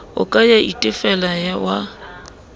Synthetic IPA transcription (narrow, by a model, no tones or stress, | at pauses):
ʊ̰kʼajaʔitʼɪfɛlajawa